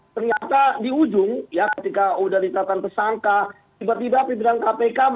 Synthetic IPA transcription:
t̪ərɲat̪adiud͡ʒʊŋjakət̪ikaudahndit̪at̪ant̪ərsaŋka | t̪ibat̪ibapibiɾaŋkapekam

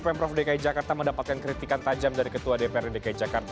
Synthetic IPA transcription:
pɛmpɾɔfdekaid͡ʒakart̪aməndapat̪̚kankɾit̪ikant̪ad͡ʒamdaɾikət̪uadepeɛrdidekaid͡ʒakart̪

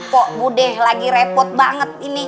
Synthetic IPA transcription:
pɔʔbudɛhlaɡiɾɛpɔt̪̚baŋət̪̚ini

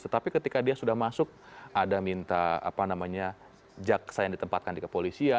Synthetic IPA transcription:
t̪ət̪apikət̪ikadiasudahmasʊk̚adamint̪aa̰panamaɲa | d͡ʒak̚sajaŋdit̪əmpat̪̚kandikəpolisia

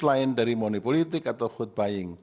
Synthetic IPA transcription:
lajnɖaɾimɔnipɔlit̪ikat̪ɔxud̪̚bajiŋ

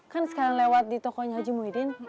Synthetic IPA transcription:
kansə̥kaɾaŋlewat̪̚dit̪ɔkɔɲaɦad͡ʒimuidɪn

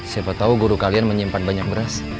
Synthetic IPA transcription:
sepat̪auɡuɾukalianməɲimpanbaɲak̚bəɾas

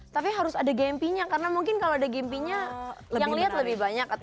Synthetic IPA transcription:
t̪apiɦaɾʊsadaɡɛmpiɲakaɾənamuŋkɪnkaloadaɡɛmpiɲajaŋliɦat̪̚ləbɪhbaɲaka

